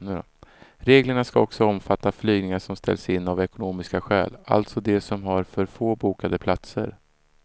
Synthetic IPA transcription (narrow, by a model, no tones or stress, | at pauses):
n | ɾeːɡləɳaskaɔksɔɔmfat̪ːaflyːɡnɪŋaʂɔmst̪ʰɛ̰lsɪnːavɛkʊnuːmɪskaɧɛ̰ːla̰lt̪sɔd̪ɛsɔmɦaɾfœɾfoːbuːkad̪əpʰlat̪sə̰ɾ